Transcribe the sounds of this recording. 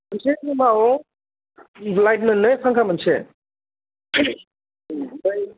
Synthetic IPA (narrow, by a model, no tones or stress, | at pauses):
mənsenimaɔ | lajt̚nɯnɯsaŋkʰamənse